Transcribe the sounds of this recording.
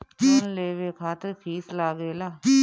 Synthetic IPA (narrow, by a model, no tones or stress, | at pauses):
kːnleːʋeːkʰaːt̪əpʰiːslaːɡeːlaː